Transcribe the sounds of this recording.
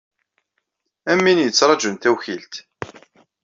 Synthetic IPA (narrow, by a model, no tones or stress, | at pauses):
æmːinjət͡sːɾˤɑd͡ʒənt̪æwçilt̪